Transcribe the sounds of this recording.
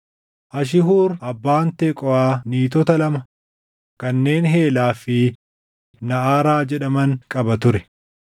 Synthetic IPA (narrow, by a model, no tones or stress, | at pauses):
ʔɐʃ̬ɪɦuːɾɐbːaːnt̪ɛkʼɔʔaːniːt̪̬ɔt̪ɐlɐmɐ | kɐnːe̞ːnɦe̞ːlaːfɪ | nɐʔaːɾaːd͡ʒɛᶑɐmɐŋkʼɐbɐt̪ʊɾɛ̥